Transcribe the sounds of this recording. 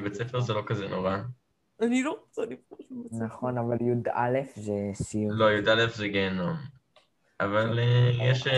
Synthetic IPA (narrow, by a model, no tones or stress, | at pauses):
bet͡sefeʁzelo̞kazeno̞ʁa | anilozanifaʃunaχo̞navaljud̪a̰lefzesilo̞jud̪alefzeɡenom | avalejɛʃ